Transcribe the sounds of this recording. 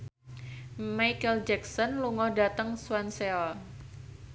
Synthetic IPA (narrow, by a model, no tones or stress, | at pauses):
majkəld͡ʒɛksɔnluŋɔhdat̪əŋswanseɔ